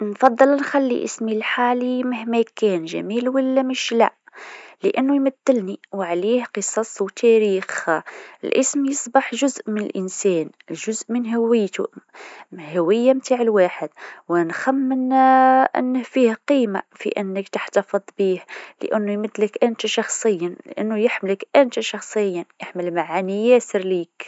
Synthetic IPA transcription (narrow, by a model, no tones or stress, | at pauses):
nfɑd̪ˤːɨlnxalːḭʔɪ̰smilħaːlimɪhmækːɛːnʒæ̰miːlwalːæmɪʃlæ̰ʔ | ləʔɪnːujmæθːɪlniwʕliːhqɨsˤɑsˤwt̪ʰæɾiːxə̰lʔɪsmjɨsˤbɑħʒʊzʔmɪnə̰lʔɪnsɛːn | ʒʊzʔmənɦawɪjːt̪ṵ | hæwəjːamt̪aʕəlwaħəd̪̚wənxæmːənʔə̰nːəhfihæqiːma̰fḭʔənːəkt̪aħt̪ɑfəd̪ˤbiːhlə̰ʔənːujmæd̪ːləkʔənt̪æʃɑxsˤəjːal̰ʔə̰nːujəħmələkʔənt̪æʃɑxsˤəjːajaħməlmaʕanijæsəɾliːk